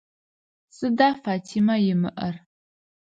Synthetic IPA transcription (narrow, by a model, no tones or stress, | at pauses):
sɨdaːfaːtʰiːmɐjɪmɨ̰ʔɐr